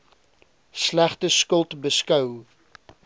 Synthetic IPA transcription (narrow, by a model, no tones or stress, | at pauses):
slæχtəskəlˠtbəskœw